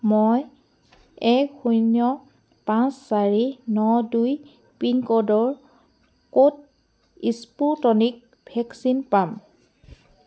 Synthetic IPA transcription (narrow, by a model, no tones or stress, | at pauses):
moj | ɛkxujnjɔ | pãnsːaɹinɔduj | pinkɔdɔɹ | kot̚ | isputɔnik̚ | bʱɛksinpam